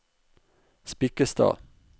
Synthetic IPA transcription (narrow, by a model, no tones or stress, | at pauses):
spɪkəst̪ɑ̰ː